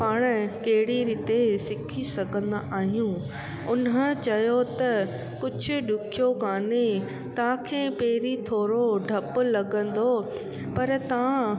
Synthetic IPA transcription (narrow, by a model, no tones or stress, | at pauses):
paːɽ̃ə̆kɐɦɪɽiɾiːt̪esɪkʰisɐɡʱə̃nd̪aʔaːɦijũ | ʊnɦə̆t͡ɕɐjot̪ɐ | kʊd͡ʑʱʊ̆ɗʊkʰijokaːne | t̪ɐʋãkʰeːpeːɾit̪ʰoːɾoɖʱɐpʊlɐɡə̃n̆d̪o | pɐɾt̪ɐʋã